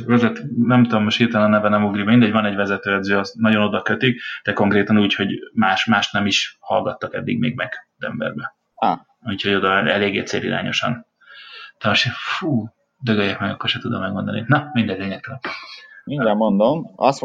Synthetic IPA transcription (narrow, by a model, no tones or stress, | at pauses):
vɛzɛt̪nɛmt̪ud̪omːoʃt̪iːt̪ɛlnɒnɛvɛnɛmuɡribmind̪ɛɟvɒnɛɟvɛzɛt̪øːɛd̪zøːɒsnɒɟo̞no̞d̪ɒkøt̪ikd̪̥ɛko̞ŋkreːt̪ɒnuːcho̞ɟmaːʃmaːʃt̪nɛmiʃhɒlɡɒt̪ːɒkɛd̪ːḭɡmḛːɡ̚mɛɡ̥zɛ̰mbɛ̰rbɛ | a | ucho̞ɟo̞d̪ɒɛ̰leːɡeːɛt̪sḛːɾḭɾa̰ːɲo̞ʃɒ̰n | d̪ɛmoʃt̪efuː | d̪øɡøjːɛkmɛɡɒkːorʃɛt̪ud̪omːɛɡmo̞nd̪ɒninɒmind̪ɛɟ̪leːɲɛk̚t̪ːl | idɛmond̪omɒs